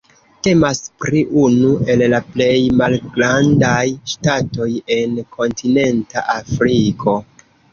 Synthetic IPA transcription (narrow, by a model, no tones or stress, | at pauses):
te̞maspɾiʔunue̞llaple̞jmalɡɾandajʃtato̞je̞nkʰo̞ntʰine̞nta̰ʔafɾikʰo̞